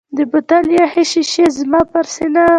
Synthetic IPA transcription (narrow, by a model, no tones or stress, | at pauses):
d̪əbʊt̪aljɑheʃiʃezmɑpaɾsɪna